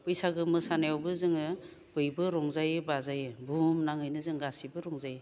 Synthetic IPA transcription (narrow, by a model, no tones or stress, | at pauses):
pɯjsaɡɯmɯsanajawbɯzɯŋɯ | b̥ɯjbɯɾɔŋzajɯbazajɯbumnaŋɯjnɯzɯŋɡasibɯɾɔŋzajɯ